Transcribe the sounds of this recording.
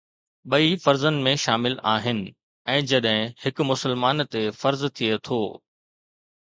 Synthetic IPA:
ɓɐifɐɾzənɪ̆mẽʃaːmɪlaːɦɪnɪ̆ | ɛ̃ːd͡ʑɐɗɦɪ̃hɪkmʊsəlmaːnt̪efɐɾzt̪ʰiet̪ʰoː

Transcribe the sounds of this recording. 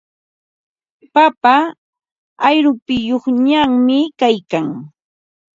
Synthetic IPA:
papaː | jɾʊpɪjoχɲaŋmɪkajkaŋ

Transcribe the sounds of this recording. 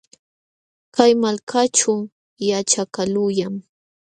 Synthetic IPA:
kajmalkʰat͡ʃʊ | jat͡ʃakalʊjaŋ

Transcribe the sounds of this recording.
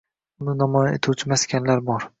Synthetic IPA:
ʊnɪnamɒjaet̪ʰuwt͡ʃʰɪmaskʲanlaɾbɒɾ

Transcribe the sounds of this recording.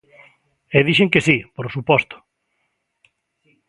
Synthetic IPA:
eðiʃeŋkesipoɾsupɔst̪ʊ̥

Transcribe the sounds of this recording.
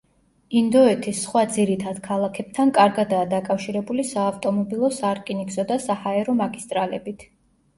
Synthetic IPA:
ind̪ɔɛt̪ʰisːχwad̪ziɾit̪ʰad̪̥kʰalˠakʰɛb̥̚t̪ʰankʼaɾɡad̪aːd̪akʼafʃiɾɛbulisaːft̪ʼɔmɔbilˠɔsaɾkʼinikʼsɔd̪asahaɛɾɔmaɡist̪ʼɾalɛbit̪ʰ

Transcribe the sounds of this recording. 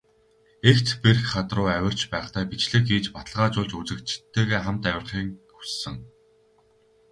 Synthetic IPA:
ekt̪perxχat̪rʊːæwʲɪ̆r̥t͡ɕpæːχt̪æːpit͡ɕɮɘ̆xiːt͡ɕpat̪ə̆ɮʁaːt͡ɕʊːɮt͡ɕut͡sɘ̆kt͡ɕʰt̪ʰːeːɣeːχam̥t̪æwʲɪ̆rχiːŋxu̥sːɘ̆ŋ

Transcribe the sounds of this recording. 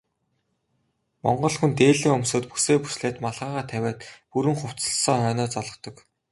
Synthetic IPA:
mɔ̰ɴɢɞ̆ɮxunt̪eːɮĭːŋɵmsoːt̪pu̥seːpu̥sɮeːt̪maɮʁaːʁaːt̪ʰæwʲæːt̪puɾɘ̆ŋχʊw̥t͡sə̆ɮsɔːχœːnɔːt͡sɔɮɞ̆qt̪ɞ̆k

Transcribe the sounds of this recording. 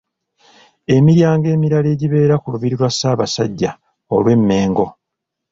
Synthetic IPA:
e̞miɾjaːŋɡe̞ːmiɾale̞ːɟiβe̞ːɾakuluβiɾiɾwasːaːβasaɟːa | olwe̞mːe̞ːŋɡo̞

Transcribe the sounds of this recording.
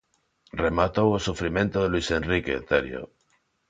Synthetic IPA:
remat̪owosufɾimẽ̞nt̪oðelwise̞nrikḛt̪eɾjo̰

